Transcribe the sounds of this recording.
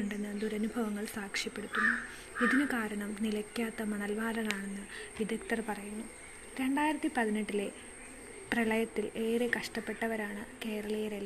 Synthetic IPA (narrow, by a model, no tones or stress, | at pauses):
uɳɖe̞nːɨd̪uɾɐnubʱɐʋɐŋːɐɭsaːkʂjiɐpːe̞ɽut̪ːunːu | iðinɨkaːɾɐɳɐmnilɐkʲːaːt̪ːɐmɐɳɐlʋaːɾɐnaːɳe̞nːɨʋid̪ʱɐkt̪ɐrpɐrɐjunːu | ɾe̞ɳɖaːjiɾɐt̪ːipɐðineʈːile̞ | prɐɭɐjɐt̪ːile̞ːɾekɐʂʈɐpːe̞ʈːɐʋɐɾaːɳɨke̞ːɾɐɭɐjɾelː